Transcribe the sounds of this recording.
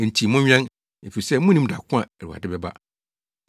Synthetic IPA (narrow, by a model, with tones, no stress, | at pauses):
n̩˨tʰi˨mʊ̃˦ɲᶣɛ̃˦n | e˨fi˨i˨sɛ˦m˦ʊ̃˦nĩ˦m˨da˨kʷʰʊ̃˦ã˨æ˨ɾu˨a̰˨dɪ˦bɛ˦ba̰˦